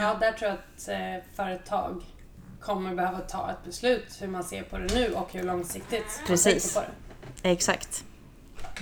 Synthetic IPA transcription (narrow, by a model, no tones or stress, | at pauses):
ɑːd̪æʈʰɾuːjaat̪fœːɾət̪ʰɑ̰ːɡ | kʰɔmːəɾbɛhøːvat̪ʰɑ̰ːɛt̪̚bɛslʉ̟ːt̪hɵɾmansḛːɾpʰɔd̪ɛnʉ̟ːʔɔkhɵɭɔŋsɪkt̪ɪt̪ʰɾaɛsiːsəpʰɔd̪ɛ̰ɛksa̰kt̪